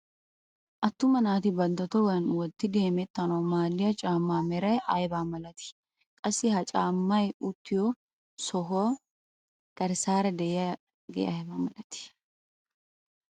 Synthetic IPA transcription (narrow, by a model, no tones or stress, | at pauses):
ʔɐt̪ːʊmɐnaːt̪ɪbɐnd̪ɔt̪ɔwɐɐnwɔt̪ːɪd̪e̞ːmɛt̪ːɐnɔwmaːlːɪjɐt͡ʃʼaːmːaːmɛɾɐjʔɐjbaːmɐlɐt̪ɪ̥ | kʼɐsːɪhɐt͡ʃʼaːmːɐjʊt̪ːɪjɔ | sɔɦoː | kɐɾsaːɾɐd̪ɛjɛɐ | ɡɛ̰ɐbaːmɐlɐt̪ɪ̥